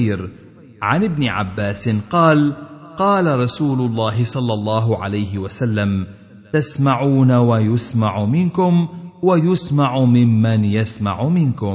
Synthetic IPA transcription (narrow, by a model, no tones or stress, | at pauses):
ɾ | ʕanɪbnɪʕa̰bːaːsɪnqɑːlqɑːlaɾˤɑsuːlʊlˤːɑːɦɪsˤɑlːɑlˤːɑːɦʊʕa̰lajɦɪwasalːam | t̪asmaʕuːnawajʊsmaʕʊmɪnkʊmwajʊsmaʕʊmɪmːanjasma̰ʕʊmɪnkʊm